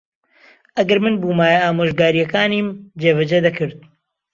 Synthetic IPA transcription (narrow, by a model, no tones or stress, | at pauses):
ʔɐɡɐɾmɨnbuːmaːjɐaːmoːʒɡaːɾijɐkaːniːmd͡ʒeːvɐd͡ʒɐd̪ɐkʰɨɾd̪̚